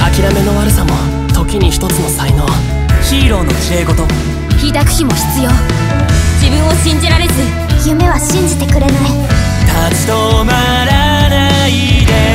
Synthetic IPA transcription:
akʲiɾame̞no̞βaɾɯ̟samo | t̪o̞kʲiɲ̟içi̥t̪o̞t͡sɨno̞saino̞βa | çiːɾo̞ːno̞kʲie̞ːɡo̞t̪o̞ | çiːd̪akɯ̟̥çimo̞çi̥t͡sɨjo̞ː | d͡ʑibɯ̟̃ɰ̃o̞ɕĩɲ̟d͡ʑiɾaɾe̞zɨ | jɯme̞βaɕĩɲ̟d͡ʑit̪e̞kɯ̟ɾe̞nai | t̪at͡ɕi̥d̪oma | ɾana | id̪e

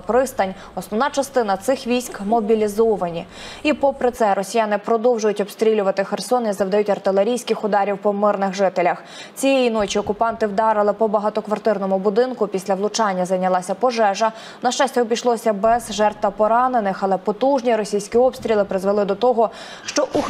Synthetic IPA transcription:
pɾɪst̪ɐnʲ | ɔsnɔwnɑt͡ʃɐst̪ɪnɐt̪sɪxʋʲijsʲkmɔbʲilʲizɔʋɐnʲi | ipɔpɾɪt̪sɛɾʔɔsʲijɑnɪpɾɔd̪ɔwʒʊjʊtʲɔbst̪ɾʲilʲʊʋɐt̪ɪxersɔnizɐwd̪ɐjutʲɐrt̪ɪlˠeɾʲijsʲkɪxʊd̪ɑɾʲiwpɔmɪrnɪɣʒɪt̪elʲɐx | t͡sʲijejinɔt͡ʃiɔkʊpɑnt̪ɪwd̪ɑɾɪlˠɪpɔbɐɦɑt̪ɔkʋɐrt̪ɪrnɔmʊbʊd̪ɪnkʊpʲisʲlʲɐʋlˠʊt͡ʃɑnʲːɐzɐjnʲɐlˠɑsʲɐpɔʒɛʒɐ | nɐʃt͡ʃɑsʲtʲɔbʲijʃlˠɔsʲɐbɛzʒɛrt̪ʋɐpɔɾɑnenɪxɐlˠɛpɔt̪uʒnʲiɾɔsʲijsʲkʲiɔpst̪ʲɾʲilˠɪpɾɪzʋelˠɪd̪ɔt̪ɔɦɔ | ʃt͡ʃɔʔu

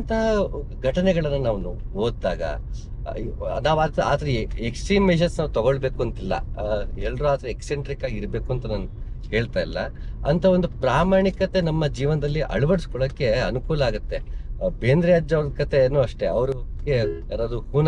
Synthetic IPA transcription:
nt̪ʰɐɐ | ɡʱɐʈɐnɛɡɐɭɐnːɐnaːʋnu | oːd̪ːaːɡɐ̰ | naːʋaːd̪a̰ːt̪ɐɾeeksʈɾiːmːeʃ̬ɐnsnaːʋut̪ɐɡoɭbe̞ːkuɐnt̪ilːɐ̰ɛlːɐɾuaːt̪ɐɾeekseɳʈɾikaːɡiɾbe̞ːkuɐnt̪ɐnaːnu | ke̞ːɭt̪aːjilːɐɐ̰nt̪ʰɐo̞nd̪upɾaːmaːɳikɐt̪e̞nɐmːɐd͡ʒiːʋɐnɐd̪ɐlːiʔɐ̰ɭubɐɽiskɔɭɐkːe̞ɐnukuːlɐaːɡut̪ːe̞beːnd̪ɾijaːd͡ʒɐʋɾɐd̪kɐt̪ʰe̞ːnːuɐʂʈe̞ɐʋɐɾuɡeja̰ːɾaːd̪uhuːn

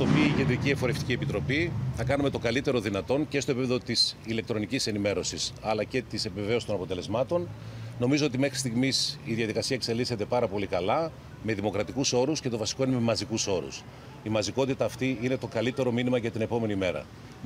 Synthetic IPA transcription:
t̪opiice̞nd̪ɾiciefo̞ɾeft̪icie̞pit̪ɾo̞piθɐkɐnume̞t̪o̞ɡɐlit̪e̞ɾo̞ðinɐt̪o̞nce̞st̪o̞epipe̞ðot̪isile̞k̚t̪ɾo̞nicise̞nime̞ɾo̞sisɐlɐce̞t̪ise̞peve̞sst̪o̞nɐpo̞t̪e̞le̞zmɐt̪o̞nno̞mizo̞ot̪ime̞xɾist̪iɣmisiðiɐðikɐsiɐekse̞lise̞t̪e̞pɐɾɐpo̞likɐlɐ | me̞ðimokɾɐt̪ikuso̞ɾusce̞t̪o̞vɐsi̥k̞inememɐzikuso̞ɾṵs | imɐziko̞t̪it̪ɐːft̪iinet̪o̞kɐlit̪e̞ɾo̞minimɐʝɐt̪ine̞po̞me̞nime̞ɾɐ̰

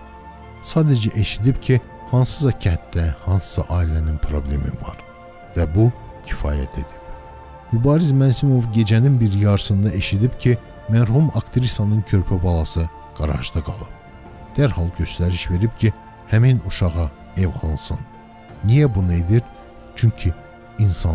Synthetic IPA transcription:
sɑːd̪æd͡ʒæʔe̞ʃid̪ibcʰi | hɑnsɯ̥zɑcʰænt̪d̪æhɑnsɯ̥sɑʔɑːilæninpʰɾo̞blʲe̞̰mḭvɑ̰ɾ | væbu | cʰi̥fɑ̰ːjæ̰t̪ʰe̞̰d̪̥i̥p | mybɑːɾizmænsimo̞vɟe̞d͡ʒæninbiɾjɑɾɯsɯnd̪ɑʔeʃid̪ibcʰi | mæɾhumɑkt̪ʰeɾisɑnɯncʰø̞ɾpʰæbɑlˠɑsɯ | ɡ̥ɑɾɑ̰ʒd̪ɑɡɑlˠɯb̚ | d̪̥æɾhɑlˠɟø̞st̪æɾiʃve̞ɾibcʰi | hæminuʃɑʁɑ | evɑ̰lˠɯnsɯnː | ijæbunɯed̪iɾ | t͡ʃʰyɲcʰiː | nsɑ

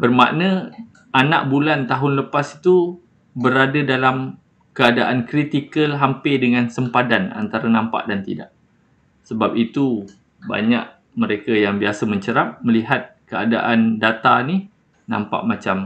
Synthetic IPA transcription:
bərma̰ʔnə̃ | ana̰ʔbulant̪aɦʊnləpasi̥t̪u | bəɾadadalam | kəadaʔankɾit̪ikəlɦampɪdəŋãnsəmpadana̰nt̪aɾanãmpa̰ʔdant̪ḭda̰ʔ | səbap̚it̪u | ba̰ɲa̰ʔ | məɾekajaŋbiasəmə̃ɲt͡ʃəɾap̚məliɦat̪̚kəa̰daʔandat̪ani | nã̰mpa̰ʔmãt͡ʃam

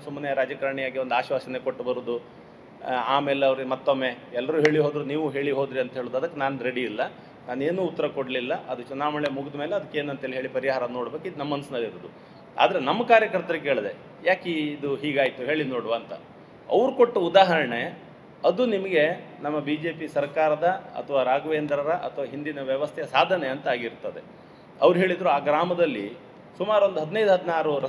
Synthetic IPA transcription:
sumːɐneɐɾaːd͡ʒɐkaɾɳijaːɡiond̪aːʃʋaːsɐnekoʈːbɐɾuːd̪u | aːmeːleɐʋɐɾimɐt̪ːomːe̞ɛlːɐɾuːɦe̞ːɭiɦoːd̪ɾuniːʋuɦe̞ːɭiɦo̞ːd̪ɾiɐnt̪ɐɦeːɭuːd̪ɐd̪ɐkːenaːnuɾeɽiːlːɐ | naːne̞ːnuːt̪ːɐɾɐkoɽlilːɐʔɐd̪ut͡ʃɛnaːmɐɭemuɡɐd̪ɐme̞ːleɐd̪ɐkːeːnuɐnt̪ɐɦeɭiɦeːɭipɐɾiɦaːɾɐno̞ːɽbe̞ːkɐid̪unɐmːɐnɐsnɐlːiɾuːd̪u | a̰ːd̪ɐɾenɐmːɐkaːɾjɐkɐɾt̪ɐɾɐkeːɭd̪e̞ | jaːkeːd̪uɦiːɡaːjt̪uɦe̞ːɭinoːɽʋaːnt̪ɐ̰ | ɐ̰ʋɾukoʈːuud̪aːɦɐɾɐɳe | ɐd̪unimɐɡe̞nɐmːɐbiːd͡ʒeːpisɐɾkaːɾɐd̪ɐɐ̰t̪ʰɐʋaːɾaːɡʋeːnd̪ɾɐɾɐʔɐ̰t̪ʰɐʋaːɦind̪inɐʋjɐʋɐst̪ʰejɐsaːd̪ʱɐneɐnt̪ɐaːɡiɾt̪ɐd̪e̞̰ | ɐʋɾuɦe̞ːɭid̪ɾuaːɡɾaːmɐd̪ɐlːḭ | sumaːɾuond̪uɦɐd̪nɐjd̪uɦɐd̪inaːɾuɾɐ

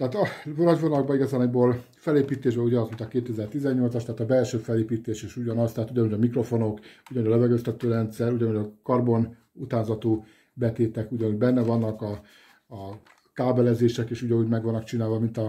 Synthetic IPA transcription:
t̪ɛɦaːt̪ɒbnɒɟʋonɒloɡ̚bɒiɡɒzaːnboːl | fɛleːpiːt̪eːʒbɛuɟɒnɒzminɒkeːt̪ːɛɛzɛrt̪izɛɲːo̞lt̪sɒʃt̪ɛaːt̪ɒbɛlʃøːfɛleːpiːt̪eːʃeːʃuɟɒnɒst̪ɛɦːt̪uɟɒnuɟɒmikro̞fo̞no̞kuɟnuɟɒløvɛɡøst̪ɛt̪øːɾɛnt̪sɛɾuɟɒnuɟɒkɒrbo̞n | ut̪aːzɒt̪u | bɛt̪eːt̪ɛkuɟɒnuɟbɛnːɛvɒnːɒkɒː | kaːbɛlɛzeːʃɛkeːʃuɟɒnuːɟmɛɡʋɒnːɒkt͡ʃinaːlvɒmint̪ɒ

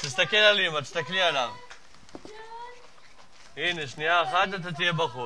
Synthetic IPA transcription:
t̪is̬t̪akelalimat̪̬i̥st̪aklialav | ineʃniaeχat̪̬at̪̬at̪ije̞baχu

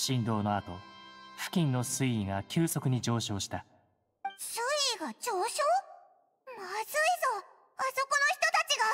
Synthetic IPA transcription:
ɕĩnd̪o̞ːno̞at̪o̞̰ɸɯ̟̥kʲĩnːo̞sɨiiŋakʲɨːso̞kɯ̟ɲ̟id͡ʑo̞ːɕo̞ːɕi̥t̪a | sɨiɡat͡ɕoːɕoː | maz̥ɨizo̞ | aso̞ko̞no̞çi̥t̪o̞t̪at͡ɕiɡa

